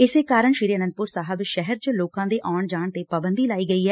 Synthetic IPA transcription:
ɪseːkaːɾəɳʃiɾiːənə̃nd̪̚pʊɾsaːɦəbʃɛɦəɾt͡ʃloːkãːd̪eːʔaːɳd͡ʒaːɳt̪eːpaːbənd̪iːlaːiːɡəiːɦɛː

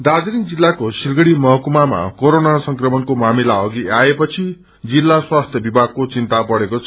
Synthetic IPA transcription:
d̪ad͡zɾind͡zilːakosirɡʌɽimʌɦʌkumama̰koɾonasʌŋkrʌmʌnkomamilaʌɡiaepʌt͡sʰi | d͡zilːaswast̪ʰjʌbibʱaɡ̚kot͡sint̪apʌɽekot͡sʰ

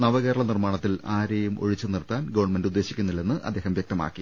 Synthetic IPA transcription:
nɐʋɐɣeːɾɐɭɐnirmaːɳɐt̪ːilaːɾejumo̞̰ɻit͡ɕːɨnirt̪ːaːnɡɐʋɐɳme̞ndud̪ːe̞ːɕikʲːunːilːe̞nːɨʔɐ̰d̪ːeːhɐmʋjɐkt̪ɐma̰ːkːi

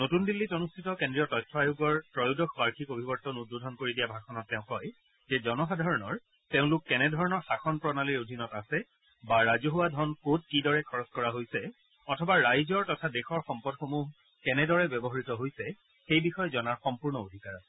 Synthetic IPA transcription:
notundilːitonustʰitɔkendɹijɔtɔjtʰːɔajuɡɔɹtɹɔjudɔxʰbaɹkʰikobʱibɔɹtɔnut̚bodʱɔnkoɹidijabʱaxʰɔnɔtːɛʊ̃kɔj | zɛzɔnɔxadʱaɹɔnɔɹ | teʊ̃lʊkːɛnɛdʱɔɹɔnɔɹxaxɔnpɹɔnaliɹodʱinɔtasɛ | baɹazoɦuwadʱɔnkot̚kidɔɹɛkʰɔɹɔskɔɹaɦojsɛ | ɔtʰɔbaɹajzɔɹtɔtʰadexɔɹxɔmpɔdxomuɦ | kɛnɛdɔɹɛbjɔbɔɦaɹitɔɦojsɛ | xejbixɔjzɔnaɹxɔmpuɹnɔodʱikaɹɔt

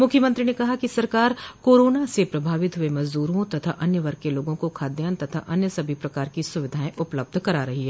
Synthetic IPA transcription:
mʊkʰjəmɐ̃nt̪ɾinekɐɦakisɐɾkaːɾkoːɾoːnasepɾɐbʱaːʋɪt̪ɦʊemɐzd̪uːɾɦõt̪ɐt̪ʰaʔɐnjəʋɐɾkːeloːɡõkokʰaːd̪jaːnt̪ɐt̪ʰa̰ʔɐnjəsɐbʱipɾɐkaːɾkisʊʋɪd̪ʱaːẽʔʊpləb̚d̪ʱkɐɾaɾɐɦiɦɛː

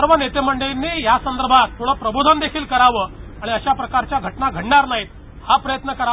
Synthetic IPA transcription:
əɾʋənet̪em̤əɳɖəinːiːjasənd̪əɾbʱat̪ʰːuɭ̤əpɾəbud̪ʱand̪ekʰiːlkəɾaʋəːaɽ̃iəɕjapɾəkaɾt͡ɕjaɡʱəʈnaɡʱəɽɳaɾnaɦit̪̚ | hapɾəjət̪nəkəɾa

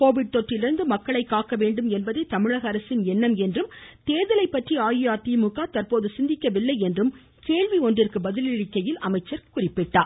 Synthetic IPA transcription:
koːʋɪɽ̚t̪ɔʈrɪlɪɾɯnd̪ɯmɐkːɐɭɐɪkːaːkːɐʋeːɳɖɯmɛnbɐðɐɪt̪ːɐmɪɻɐɣɐɐɾɐsɪnɛnːɐmɛndrɯmt̪eːðɐlɐɪpːɐʈriaːjɪjaːt̪iːmʊɣaːt̪ɐrpoːðɯsɪnd̪ɪkːɐʋɪlːɐɪɛndrɯm | keːɻʋiɔndrɪrkɯbɐðɪlɪɻɪkːɐjɪlɐmɐɪt͡ʃːɐɾkʊrɪpːɪʈːaː

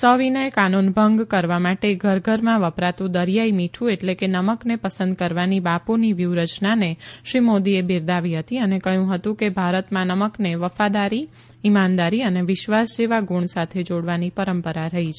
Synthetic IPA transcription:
səʋinəjkanunbʱəŋɡkəɾʋamaʈeɡʱəɾɡʱəɾmãʋəpɾat̪ũd̪əɾjaimiʈʰũeʈlekenəməknepəsə̃nd̪̚kəɾʋanibaponiʋjuɾət͡ʃnaneʃɾimod̪iebiɾd̪aʋiɦət̪iənekəɦjũɦət̪ũkebʱaɾət̪mãnəməkneʋəfad̪aɾi | imand̪aɾiəneʋɪʃʋasd͡ʒeʋaɡuɳsat̪ʰed͡ʒoɽʋanipəɾəmpəɾaɾəɦit͡ʃʰe

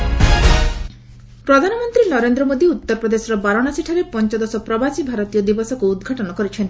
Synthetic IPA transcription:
pɾɔd̪ʱanɔmɔnt̪ɾinɔɾend̪ɾɔmod̪iut̪ːɔɾpɾɔd̪esɔɾɔbaɾɔnasiʈʰaɾepɔnt͡ʃɔd̪ɔsɔpɾɔbasibʱaɾɔt̪ijɔd̪ibɔsɔkuud̪ɡʱaʈɔnɔkɔɾit͡ʃʰent̪i̥

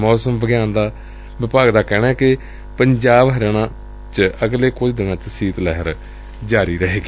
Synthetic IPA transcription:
mɔːsəmbəɡɪjaːnd̪aː | ʋɪpaːɡd̪aːkɛːnaːkɪ | pəɲd͡ʒaːbɦəɾeːnãː | t͡ʃəɡleːkʊd͡ʒd̪ɪnãːt͡ʃsiːt̪lɛːɦəɾ | d͡ʒaːɾiːɾəɦeːɡiː

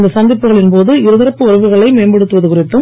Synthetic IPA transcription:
nd̪ɐsɐnd̪ɪpːɯɣɐɭɪnpoːðɯɪɾɯðɪɾɐpːɯɔɾɐʋɯɣɐɭɐɪmeːnbɐɽɯt̪ːɯʋɐðɯkʊrɪʈːɯ

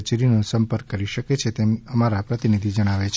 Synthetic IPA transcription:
t͡ʃɾinũsəmpəɾkːəɾiʃəket͡ʃʰet̪eməmaɾapɾət̪inid̪ʱid͡ʒəɽ̃aʋet͡ʃʰ

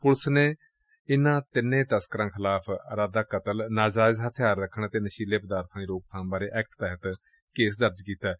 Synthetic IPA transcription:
pʊlsneː | ɪnãːt̪ɪnːẽːt̪əskəɾãːkʰɪlaːpʰːɾaːd̪aːkət̪əlnaːd͡ʒaːzɦət̪ʰɪjaːɾːəkʰːəɳːt̪eːnəʃiːleːpəd̪aːɾt̪ʰãːiːɾoːk̚t̪ʰãːbaːɾeːʔɛːk̚ʈt̪ɛːɦət̪ | keːsd̪əɾd͡ʒkiːt̪aː

